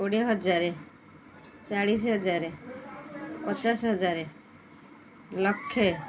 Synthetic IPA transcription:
oɽeɦɔd͡ʒaɾe | t͡ʃaɽis̬ɦɔd͡ʒaɾe | pɔt͡ʃasɦɔd͡ʒaɾe | lɔkʰːe

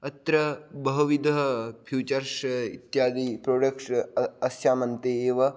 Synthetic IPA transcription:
ɐt̪ɾɐbɐɦɐʋid̪ɐɦɐpʰjuːt͡ʃɐɾʃɐit̪jaːd̪iːpɾoːɖɐkʈɐsjaːmɐnt̪eːeːʋɐ

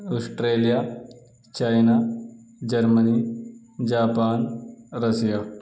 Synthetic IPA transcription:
ɐsʈɾeːlija | t͡ʃɐjnad͡ʒɐɾmɐni | d͡ʒaːpaːnɾɐsija

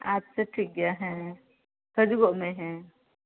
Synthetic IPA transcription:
aːpseʈʰiːk̚ɡɐjaɦɛ̃ | sɐd͡ʒɡomẽɦɛ̃

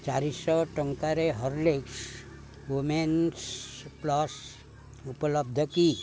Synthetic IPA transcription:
t͡ʃaɾisɔʈəŋkaɾeɦəɾleks | ʋomensplɔs | upələb̚d̪ʱəki

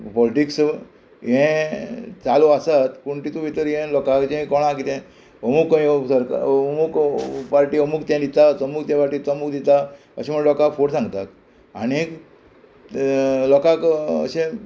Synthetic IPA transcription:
pɔliʈiks | jɛ̃ | t͡salɔasat̪puɳʈit̪ũʋit̪əɾjɛ̃lɔkakd͡ʑẽkɔɽ̃ãkit̪ɛ̃ | əmukisəɾka̰mukpaɾʈiːəmukt̪ẽd̪it̪asəmukt̪jãpaɾʈiːt͡səmukd̪it̪a | ə̰ɕẽm̤əɳlɔkakfʰoɽsãŋɡt̪ak | añik | lɔkakə̰ɕẽ

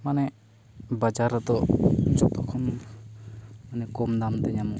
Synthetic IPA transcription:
manɛ | bad͡ʒaɾat̪ɔd͡ʒɔt̪ɔkʰɔn | manɛkɔmd̪amt̪ɛɲamɔ

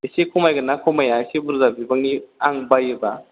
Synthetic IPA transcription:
esekʰumajɡanakʰɔmajasibuɾzabibaŋiaŋbajɯba

